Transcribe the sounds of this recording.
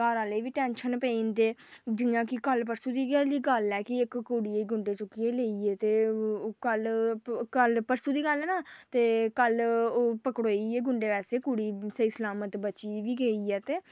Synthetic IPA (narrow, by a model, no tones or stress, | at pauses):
aːɾaːleːʋiːʈɛːnʃənpeiːnd̪eː | d͡ʒɪãːkɪkəlp̬əɾsuːd̪iːiːɡəlɛːkɪɪkːuːɽieːiːɡʊɳɖeːt͡ʃʊkieːleːiːeːt̪eːkəlkəlpəɾsuːd̪iːɡəlɛːnaːt̪eːkəlːpəkɽoːieːɡʊɳɖeːʋɛːseːkuɽiːsəiːsəlaːmət̪bət͡ʃiːʋiːɡeːiːɛːt̪eː